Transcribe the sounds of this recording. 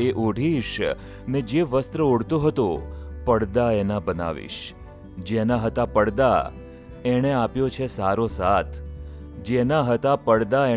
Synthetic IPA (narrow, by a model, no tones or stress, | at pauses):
eʔoɽ̤iʃ | ned͡ʒeʋəst̪ɾəoɽt̪ũɦət̪ũpəɽd̪aenabəna̰ʋḭʃ | d͡ʒenaɦət̪apəɽd̪a̰ | eɽ̃eapjot͡ʃʰesaɾosat̪ʰ | d͡ʒenaɦət̪apəɽd̪ae